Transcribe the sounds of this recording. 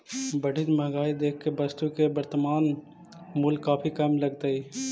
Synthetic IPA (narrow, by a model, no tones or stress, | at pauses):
bəɖʱid̪mə̃ɡaːid̪eːkʰkːebəst̪ukebəɾt̪əmaːn | mulɡkːaːpʰikəmləɡt̪əi